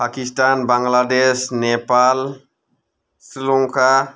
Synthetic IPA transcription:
pakistanbaŋɡladesnɛpal | silɔŋkʰa

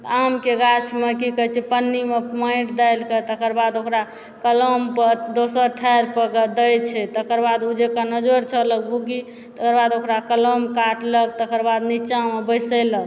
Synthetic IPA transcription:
t̪amkeɡat͡ʃʰmekikət͡ʃʰɛpənːimepmaɪʈd̪ajlket̪əkəɾbad̪okɾa | kələmpəd̪osəɾʈʰajɾpəkəd̪əjt͡ʃʰɛt̪əkəɾbad̪ud͡ʒekanəd͡ʒoɾt͡ʃʰələk̚buɡi | t̪əkəɾbad̪okɾakələmkaʈlək̚t̪əkəɾbad̪nit͡ʃamebəjsələk

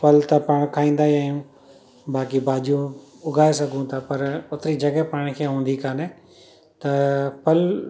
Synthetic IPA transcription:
pɐlt̪ɐpaɽ̃kʰaːĩːnd̪aːɦiaːɦjijũ | baːkibaːd͡ʒijũ | ʊɡʱaːes̬ɐɡʱũt̪ʰapɐɾʊt̪ɾid͡ʒɐɡəpaːɽ̃kʰeːɦũːn̆d̪ikaːne | t̪ɐpɐl

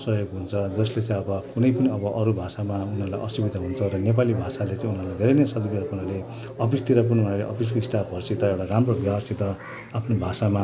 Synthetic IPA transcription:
sʌɦjoɡɦunt͡sʰʌd͡zʌslet͡sãĩʌbʌkunʌjpʌniʌbʌʔʌɾubʱasamaunarla̰jʔʌsibid̪aɦunt͡sʰʌɾʌnep̬alibʱasalet͡sãĩunalajd̪ʱeɾenesʌd̪ikiɾapunale | ʌpist̪iɾap̬ununaleʔʌ̰pis̬kisʈapʌrsit̪ʌewʈaramroɡasit̪ʌ | apʰnobʱasama

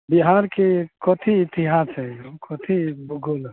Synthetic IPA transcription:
biɦaɾkekɔt̪ʰiːt̪iɦasɛjokɔt̪ʰibuɡol

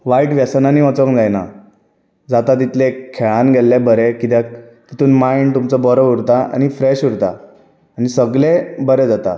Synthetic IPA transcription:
ʋaiʈʋjasnaniːʋɔt͡səkd͡zajna̰ | d͡zat̪at̪̬it̪lekʰeɭanɡʱelːebəɾekit̪jat̪i̥t̪uːnmaiɳɖ̚t̪umt͡sɔbəɾɔuɽt̪aa̰ñifɾeɕuɽt̪a̰ | anisəɡlebəɾed͡zat̪a̰

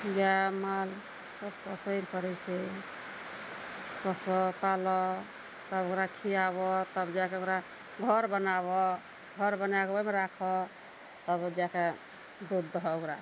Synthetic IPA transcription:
jamal | səbkɔsəɪlpəɽɛt͡ʃʰɛ | kɔsɔpalɔ | t̪əbokɾakʰijaβɔt̪əbd͡ʒakeokɾa | ɡʱəɾbənabɔ | ɡʱɔɾbənakbɔmeɾakʰɔ | t̪əbd͡ʒake | d̪ud̪ːɔɦɔokɾa

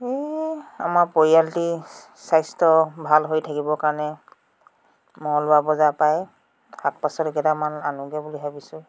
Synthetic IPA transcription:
ea̰maɹpɔialti | sajstɔbʱalɦojtʰakibɔkaɹɔnɛ | mɔlʊabɔzapaj | hak̚pasɔtɛkɛtamananuɡɛbuliɦabisʊ̃

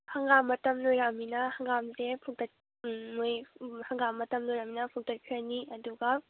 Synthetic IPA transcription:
haŋɡamːɐtɐmlojɾaminɐhaŋɡamzepʰuŋtʰɐt̚ | mojhaŋɡamːɐtɐmlojɾaminɐpʰuŋtʰɐt̚kʰiɾɐniʔɐduɡɐ

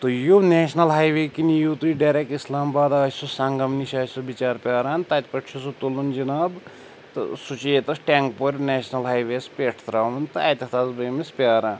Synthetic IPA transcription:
t̪ojoneːʃnɐlɦaːjʋeːkinijot̪uiɖɐːɾek̚ʈislaːmbaːd̪aːsusɐŋɡɐmniʃaːsobit͡ʃaːɾpʲaːɾaːnt̪ɐt̪ʲpɐʈʰt͡ʃʰusot̪olund͡ʒinaːb | t̪ɨ̰sut͡ʃeːt̪ɐsʈʲaːŋk̚poɾʲneːʃnɐlɦaːjʋespʲeʈʰt̪ɾaːʋɐnt̪ɨɐt̪ʲɐt̪aːzbɐmispʲaːɾaːn

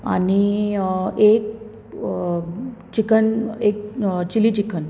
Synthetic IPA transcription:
a̰ni | ek̚ | t͡ɕikənek̚t͡ɕilit͡ɕikʰən

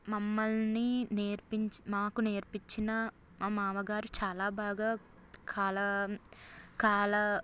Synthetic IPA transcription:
mɐmːɐlnineːɾpiɲt͡ʃmaːkuneːɾpiɲt͡ʃinɐ | amaːʋɐɡaːɾut͡ʃaːlaːbaːɡaː | kʰaːlɐ | kaːlɐ

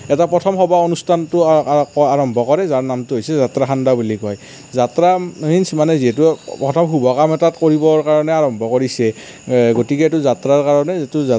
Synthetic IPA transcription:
ɛtapɹɔtʰɔmɦɔbaonustʰantʊkɔaɹɔmbɔkɔɹɛzaɹnamtʊɦojsɛzatɹaxʰandabulikɔj | zatɹainsmanɛziɦɛtupɹɔtʰɔmɦubɔkamɛtatkoɹibɔɹkaɹɔnɛaɹɔmbʱɔkoɹisɛ | ɡotikɛɛtuzatɹaɹkaɹɔnɛɛtuza

